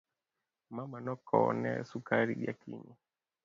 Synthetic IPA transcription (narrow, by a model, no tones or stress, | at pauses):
mamanɔkɔnɛ̰sukaɾḭʄakʰiɲi